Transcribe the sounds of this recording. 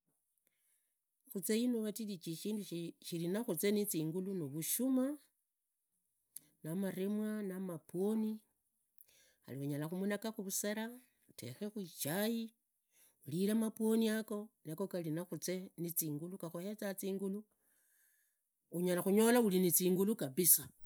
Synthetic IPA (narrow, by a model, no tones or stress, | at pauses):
xut͡seinuβatilit͡ʃiʃiːnduʃilinaxut͡se̞nit͡siːŋɡulunoβuʃuma | namaɾemwanamapwoni | a̰liwuɲalaxumunakaxuβuseɾa | ute̞̰xexwit͡ʃaji | ulilamapwo̞niako̞nakokalinaxut͡se̞nit͡siːŋɡulukaxohe̞t͡sat͡siːŋɡulu | uɲalaxuɲo̞laulinit͡siːŋɡulukaβisa